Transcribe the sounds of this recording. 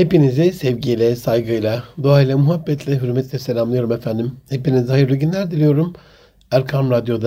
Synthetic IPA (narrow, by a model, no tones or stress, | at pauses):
hepinizisɛvɟijlʲɛsajɡɯjlˠad̪oaːilˠamuɦabːɛt̪ʰlʲɛɦyɾymɛt̪lʲɛselʲamlˠɯjo̞ɾumefænd̪imhe̞pinizhajɯɾlʲˠiɟʲynlʲæɾd̪ilʲijo̞ɾum | æɾkʰamɾad̪jo̞d̪a